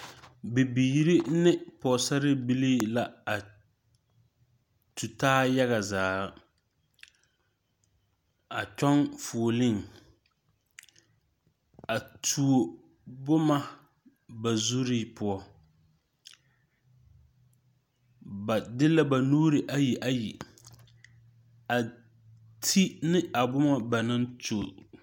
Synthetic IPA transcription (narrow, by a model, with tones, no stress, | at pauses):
bɪ˨biː˨ɾɪ˦nɪ˦pɔ˨sa˦ɾɪ˦bi˦li˦la˦a˨ | tu˨taː˦ja˦ɣa˨zaː˨ | a˨t͡ʃɔ˦ŋfu˨lɪ˦ŋ | a˨tʰu˨o˨ | bʊ˦ma˦ | ba˨zu˦ɾi˦pʊ˦ɔ˦ | ba˨dɪ˦la˦ba˨nuː˦ɾɨ˨ʔa˦ji˨ʔa˦ji˨ | a˨ | tʰi˦nɪ˦a˨bʊ˦ma˦ba˨nɨ˦ntu˨